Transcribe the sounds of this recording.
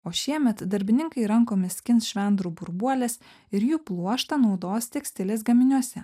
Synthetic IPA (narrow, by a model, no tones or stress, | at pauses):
oːʃʲiɛmʲɛt̪d̪ɐɾʲbʲɪnʲɪŋkɐɪɾɐŋkoːmʲɪsʲkʲɪnsʃʲʋʲɛnd̪ɾubʊɾbuɔlʲeːs | ɪɾjuːplˠuɔʃt̪ɐnɒʊd̪oːst̪ʲɛksʲt̪ʲɪlʲeːsɡɐmʲɪnʲuɔsʲɛ